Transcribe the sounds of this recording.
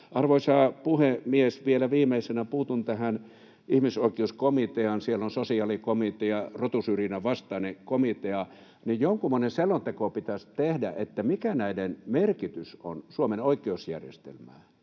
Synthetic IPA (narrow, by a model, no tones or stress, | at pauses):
ʔɑrʋoisɑːpuhemiesʋielæʋiːmeisenæpuːt̪unt̪æhæn | ʔihmisoikˑeuskomit̪eɑnsielːonsosiɑːlikomit̪eɑrot̪usyrinæʋɑst̪ɑːnekomit̪eɑ | nijjoŋkumːoneselːont̪ekopit̪æst̪ehdæ̰ʔet̪ːæmikænæidenmerkit̪yso̰nsuomenoikˑeusjæ̰rjḛst̪ḛlmæː